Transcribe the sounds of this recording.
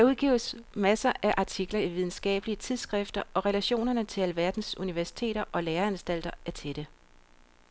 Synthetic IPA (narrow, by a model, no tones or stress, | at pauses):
d̥æɐuð̞ˠɡ̥ḭːʊsmæsɐʔæʔɑ̈t͡sʰiɡ̥lɐiʋið̞ˠn̩sɡ̥ɛ̰ːb̥əliət͡sʰið̞ˠsɡ̥ʁefd̥ɐʔɒ̽ʁɛlæɕo̝̰ːnɐnət͡sʰe̝æləʋæɐd̥n̩suniʋæɐsi̥t͡sʰe̝̰ːɾɐʔɒ̽leːɐænsd̥æl̰d̥ɐæɐt͡sʰe̝ɾ̥ə